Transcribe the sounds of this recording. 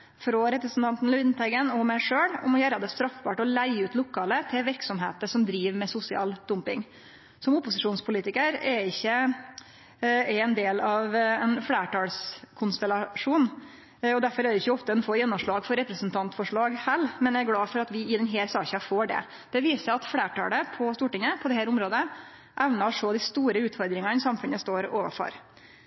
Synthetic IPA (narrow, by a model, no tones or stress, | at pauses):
fɾɔɾɛpɾəsn̩t̪ʰɑnt̪n̩lʉd̪nt̪ʰæɪɡənɔmæɪʂøːɽɔmɔjæːɾɑd̪ɛst̪ɾɑfbɑːʈɔlæɪʉːt̪lʊkʰːɑːlət̪ʰɪlʋɪɾksɔmɦeːt̪əʂɔmd̪ɾiːʋmɛsʊsɪɑ̰ːld̪̥ʊmpɪŋ | sɔmʊpʊsɪʂuːnspʰʊliːt̪ɪkəɾɛɪçːə | ɛɛnd̪eːlɑʋɛnfɽeːʈʰɑːlskʰʊnst̪ɛlɑʂuːn | ɔd̪æɾfɔɾæd̪ɛɪçːəɔft̪əd̪ɛnfoːjɛnːʊmʂɭɑːɡfɔɾɛpɾɛsnt̪ʰɑnt̪fɔʂɭɑːɡhɛlːmɛnjææɾɡlɑːfɔɾɑt̪ʋɪɪd̪ɛnɦeːɾsɑːçɑfoːɖɛ̰ | b̪̥ɛʋiːsəɑt̪fɽeːʈɑ̰ːləpʰɔst̪uːʈɪŋːəpʰɔd̪ɛhæːɾʊmɾoːd̪ə | ʔɛʋnɑʂɔːd̪ɪst̪uːɾəʉːt̪fɔɾd̪ɾɪŋɑsɑmfʉnəst̪oːɾoːʋə̰fɔ̰ɾ